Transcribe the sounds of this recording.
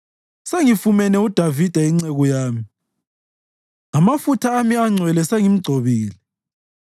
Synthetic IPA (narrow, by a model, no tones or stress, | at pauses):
seŋifumɛnɛud̥ʱavid̥ʱaiŋŋ͡ǀeɣɔjaːmi | amafutʰaːmiaŋ͡ǀʱwɛlɛseŋim̩ɡ͡ǀʱoβiːlɛ